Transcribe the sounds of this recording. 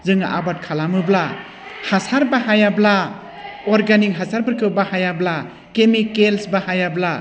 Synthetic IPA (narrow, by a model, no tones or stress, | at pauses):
zɯŋa̰ʔabat̚kʰalamɯbla | hasaɾbaɦajabla | ɔɾɡanikɦasaɾbɯɾkʰɯwbahajabla | kemikelsbahajabla